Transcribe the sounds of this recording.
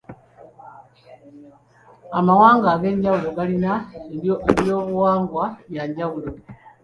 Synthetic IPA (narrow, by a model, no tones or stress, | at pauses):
amawaːŋɡaɡe̞ːɲɟawulo̞ɡalinaeoʔelio̞ːβuwaːŋɡwajaɲɟawulo̞